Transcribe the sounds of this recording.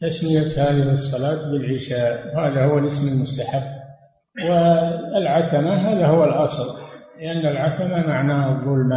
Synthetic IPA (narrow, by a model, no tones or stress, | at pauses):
t̪asmɪjat̪haːðɪhɨsˤːɑlɑːt̪bɪlʕɪʃaːʔwhaːðahʊwalɪsmɪlmʊst̪aħabː | wɪɪlʕat̪amaɦaːðahʊwalʔɑsˤllɪʔanːalʕat̪amamaʕnaːhɑðˤːʊlma